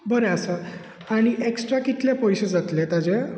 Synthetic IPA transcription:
bəɾeəsə | aɽ̃iʔeksʈɾakit̪lepɔjɕed͡zat̪let̪ad͡ʑe

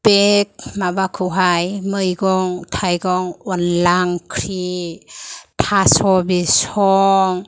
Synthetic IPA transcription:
b̥ek̚mabakʰuɦajmɯjɡɔŋtʰajɡɔŋɔnlaŋkʰɾi | tʰasɔbisɔŋ

